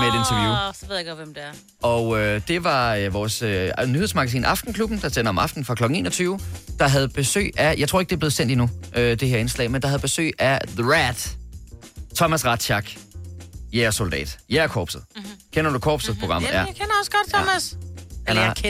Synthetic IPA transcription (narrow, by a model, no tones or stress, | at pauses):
meed̥e̝nt͡sʰɐʋjṵse̝ðˠjeɡ̥ɔʋemd̥eæɐ | ɒ̽ød̥e̝ʋɑ̈øʋɒːsønyhe̝ðˠsmɑ̈ɡ̥æsḭːnʔɑ̈fd̥n̩kʰlub̥n̩d̥ɑ̈sd̥enɐɒ̽mɑ̈fd̥n̩fʁɑ̈kʰlɒ̽ɡ̥ŋ̩e̝̰ːnɐt͡sʰyːʊd̥ɑ̈ɦæð̞̩ˠb̥e̝sø̰ːɪʔæjɑɪt͡sʰo̝ɐeɡ̥e̝ɐb̥le̝ð̩ˠsen̰d̥inuʔød̥e̝ɦeɐe̝nslɛ̰ɪmend̥ɑɦæð̞̩ˠb̥e̝sø̰ːɪʔæðəʁæd̥ | t͡sʰɒ̽mæsʁɑd̥ɕɑɡ̥ | jæɐso̝ld̥ɛ̰ːd̥jæɐkʰɒ̰ːb̥sð̩ˠkʰenɐd̥ukʰɒ̰ːb̥sð̩ˠpʰʁo̝ɡ̥ɑ̈m̰̩ˠkʰenɐɒsɡ̥ɒd̥̚t͡sʰɔmæs